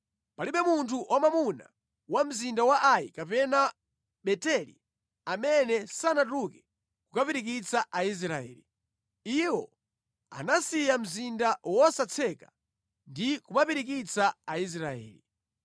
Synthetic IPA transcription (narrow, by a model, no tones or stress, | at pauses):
paliɓɛmuntʰuʔɔmamuna̰ | wam̩zindawaʔajikapɛna | ɓɛtɛlḭ | amɛnɛsanat̬ukɛ̥ | kukapiɾikit͡saʔais̬ɾaɛ̰ːli | iwɔ̰ | a̰nasijam̩zindawɔsat͡sʰɛka | ndikumapiɾik̬it͡saais̬ɾaɛ̰ːli